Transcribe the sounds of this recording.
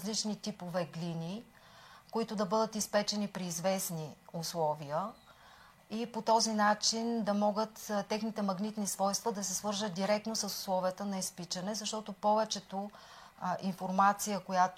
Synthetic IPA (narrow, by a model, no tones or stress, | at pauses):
zlit͡ʃnit̪ipovɛɡlʲini | koit̪ʊd̪ɐbɤd̪ət̪ispɛt͡ʃɛnipɾiːzvɛsniʊslˠɔvijə | ipot̪ɔzinat͡ʃind̪ɐmɔɡət̪t̪ɛxnit̪ɛmɐɡnit̪nisvɔjst̪vɐd̪ɐsɛsvɤɾzət̪̚d̪iɾɛk̚t̪nosəsʊ̥slˠɔvijət̪ənɐispit͡ʃɐnɛzɐʃt̪ɔt̪opɔvɛt͡ʃɛt̪o | ʔinfoɾmat̪sijəkojat̪